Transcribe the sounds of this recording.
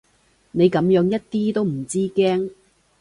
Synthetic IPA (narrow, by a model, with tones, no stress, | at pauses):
ne˨˧jkɐ˨˥mjœː˨˥ŋjɐ˥t̚t̪iː˥t̪o˥wm̩˨˩t͡siː˥kɛː˥ŋ